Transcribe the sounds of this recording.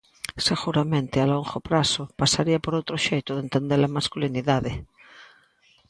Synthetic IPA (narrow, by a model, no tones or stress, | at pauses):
seɣuɾamẽnt̪ealõŋχopɾasopasaɾiapoɾowt̪ɾoʃejt̪oðent̪end̪eɾlamaskuliniðaðe